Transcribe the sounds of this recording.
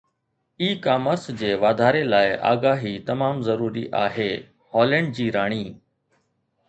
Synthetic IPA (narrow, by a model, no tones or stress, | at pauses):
iːkaːməɾsd͡ʑeːʋaːd̪ʱaːɾelaːɪʔa̰ːɡaːɦit̪ɐmaːmzəɾuːɾḭʔaːɦeː | hɔːlẽɳɖ̚d͡ʑiːɾaːɳ̃iː